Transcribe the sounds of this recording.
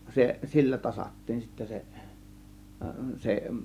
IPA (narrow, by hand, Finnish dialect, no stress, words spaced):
se silːæ tɑsɑtːiːn sitːæ se se